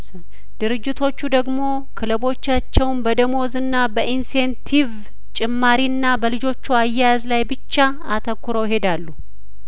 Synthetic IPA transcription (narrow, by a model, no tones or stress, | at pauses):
d̪̥ɨɾɨd͡ʒːɪt̪ʰo̞t͡ʃːud̪əɡmo̞ | kʰɨləbo̞t͡ʃːat͡ʃːɛwnbəd̪əmo̞zɨnːabəʔinse̞nt̪ʰiv | t͡ʃʼɪmːaɾiɨnːabəlɨd͡ʒo̞t͡ʃːuajːajazlajbɨt͡ʃːa | at̪ʰəkːuɾo̞wjɪhe̞d̪alːu